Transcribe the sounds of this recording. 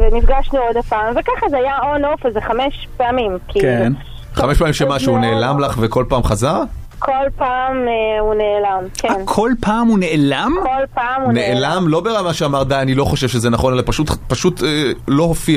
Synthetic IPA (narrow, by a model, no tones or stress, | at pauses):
venifɡaʃnuodapamvekaχazeajaonofazeχameʃpeamimkʰikn | χameʃpeamimʃemaʃuuneːlamlaχveko̞lpaːmχazaʁ | kʰolpaːmeuneːlamkeankʰo̞lpʰaːmuneʔelamkolpaːmuneʔelamlo̞beʁamaʃeamaʁd̪ajanilo̞χo̞ʃevʃezenaχo̞nelapaʃut̪paʃutelo̞hofia